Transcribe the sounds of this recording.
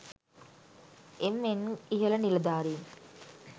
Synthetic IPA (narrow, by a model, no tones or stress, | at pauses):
emːenːiɦɐlɐnilɐd̪aːɾiːn